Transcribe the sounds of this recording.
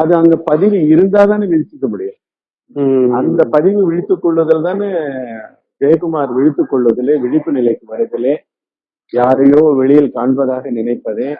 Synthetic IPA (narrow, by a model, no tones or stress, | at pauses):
ɐðɯɐnd̪ɐpɐðɪʋɯɪɾɯnd̪aːðaːneʋɪɻɪt͡ʃːɯkːɐmʊɽɪjɐ̃ | ɐnd̪ɐpɐðɪʋɯʋɪɻɪt̪ːɯkːɔɭːʋɐðɐlt̪ãːne | beːkɯmaːɾʋɪɻɪt̪ːɯkːɔɭːʋɐðɪleːʋɪɻɪpːɯnɪlɐɪkːɯʋɐɾɐðɪleː | jaːɾɐjoːʋɛɭɪjɪlkaːɳpɐðaːɣɐnɪnɐɪpːɐðẽː